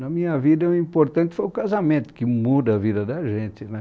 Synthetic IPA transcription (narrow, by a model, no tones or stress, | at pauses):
nɐmĩɲɐvid̪ɐũĩmpoɾt̪ɐ̃nt̪ɪ̥fojʊkazamẽnt̪ʊ̥kɪmud̪ɐɐvid̪ɐd̪ɐʒẽnt̪ɪnɛ